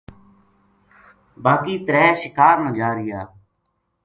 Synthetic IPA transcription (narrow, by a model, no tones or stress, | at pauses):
baːkiːt̪əɾɛːʃɪkaːɾnãːd͡ʒaːɾɪjaː